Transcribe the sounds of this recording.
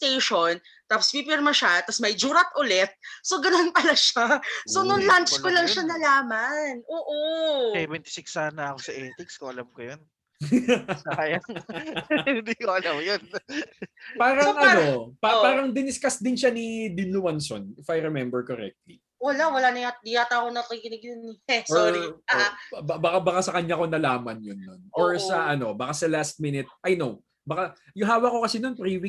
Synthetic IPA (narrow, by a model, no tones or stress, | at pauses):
t̪ejʃon | t̪aːpospipɪɾmɐʃat̪ɐsmɐjd͡ʒuːɾɐt̪̚ʔʊlɛt̪̚so̞ɡɐnonpɐlaʃaso̞nʊŋlant͡ʃkolɐŋʃanɐlaːmɐnʔoːʔoɛvɛnt̪ɪ̥sɪksaːnɐɐkosɐʔɛːt̪ɪkskoʔɐlɐmkojon | ajaŋ | ɪnd̪ikoɐlɐmjon | paːɾɐŋʔɐnopapaːɾɐŋd̪ɪnɪskasd̪ɪnʃanid̪ɪnlʊwanso̰nɪfɐjɾɛmɛmbɛɹkɔɾɛ̰k̚t̪li | wɐlawɐlanɐjad̪ɪjat̪akonɐt̪ɪkɪnɪɡjʊnɛsɔoɾi | bbɐkabɐkasɐkɐɲako̞nɐlaːmɐnjonːonʔoɹsɐʔɐno̞bɐkasɐlast̪̚mɪnɪt̪̚ʔɐjnow | bɐka | jʊɦaːwɐko̞kɐsɛnonpɾiwi